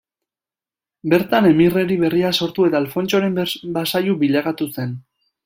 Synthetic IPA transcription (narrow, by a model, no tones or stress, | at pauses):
be̞ɾt̪ane̞mire̞ɾiβe̞riaso̞ɾt̪ue̞t̪aːlfo̞nt͡ʃo̞ɾe̞mbasajubiʎaɣat̪use̞n